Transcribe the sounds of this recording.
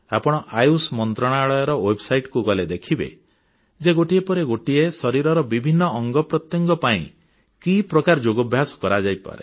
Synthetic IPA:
apɔɽ̃ɔʔajusmɔnt̪ɾɔɽ̃aɭɔjɔɾɔwebɔsajʈkuɡɔled̪ekʰibḛ | d͡ʒeɡoʈiepɔɾeɡoʈiesɔɾiɾɔɾɔbibʱinːɔːŋɡɔpɾɔt̪jɔŋɡɔpaḭ̃ | kipɾɔkaɾɔd͡ʒoɡɔbʱjasɔ̥kɔɾad͡ʒajpa̰ɾe

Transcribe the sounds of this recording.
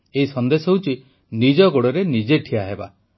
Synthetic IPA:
eɦisɔnd̪esɔɦeut͡ʃʰi | nid͡ʒɔɡoɽɔɾenid͡ʒeʈʰiaɦeba̰

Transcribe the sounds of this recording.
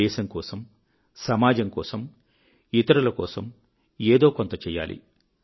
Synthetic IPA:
ɛːʃɐŋkɔːsɐm | sɐmaːd͡ʒɐmkɔ̰ːsɐm | it̪ɐɾɐlɐkɔːsɐm | eːd̪o̞ːkont̪ɐt͡ʃɛːjːa̰ːlḭ

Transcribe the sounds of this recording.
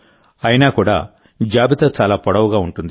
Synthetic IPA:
ɐjinaːkuːɽa̰ː | d͡ʒaːbit̪ɐt͡ʃaːlaːpɔɽɐʋuɡaːuɳʈund̪i

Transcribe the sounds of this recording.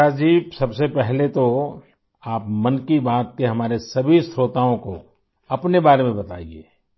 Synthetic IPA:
ad͡ʒiːbsɐbsepɛɦlet̪o | aːpmɐnkibaːt̪̚keɦɐmaːɾesɐbʱist̪ɾoːt̪aõko | ɐpnebaːɾemẽbɐt̪a̰ːḭḛː

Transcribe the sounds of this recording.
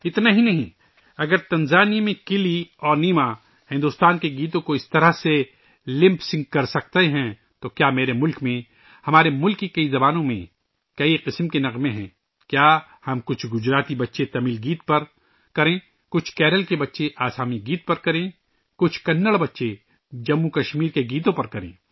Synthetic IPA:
ɪt̪naɦinɐɦĩ | ɐɡəɾt̪ɐ̃nzaːnijmẽkɪliɔːɾniːma | hɪ̃nd̪ʊst̪aːnkeɡiːt̪̬õkoɪst̪ɐɾase | lɪ̃mpsɪ̃ŋɡ̚kɐɾsɐk̚t̪eɦɛ̃ | t̪okjaːmeːɾemʊlkmẽ | hɐmaːɾemʊlkːikɐizɐbaːnõmḛ̃ | kɐiqɪsmkenɐqmẽɦɛ̰̃ː | kjaː | hɐmkʊt͡ʃʰɡʊd͡ʒɾaːt̪ibɐtːʃet̪ɐmiːlɡiːt̪̚pɐɾ | kɐɾẽː | kʊt͡ʃʰkɛːɾəlkebɐtːʃeʔaːsaːmiɡiːt̪̚pɐɾkɐɾẽ | kʊt͡ʃʰkɐnːəɭbɐtːʃe | d͡ʒɐmːukɐʃmiːɾkeɡiːt̪̬õpɐɾkɐɾḛ̃ː

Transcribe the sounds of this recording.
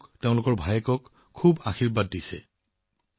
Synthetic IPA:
kteʊ̃lʊkɔɹbʱajɛkɔkʰː | ubaxiɹbad̚ːisɛ̰

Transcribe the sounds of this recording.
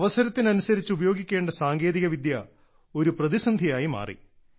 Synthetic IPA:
ʋɐsɐɾɐt̪ːinɐnusɐɾit͡ɕːɨubɐjo̞ːɡikʲːe̞ːɳɖɐsaːŋɡe̞ːðiɣɐʋid̪jɐ | o̞ɾuprɐðisɐnd̪ʱijaːjima̰ːrḭ

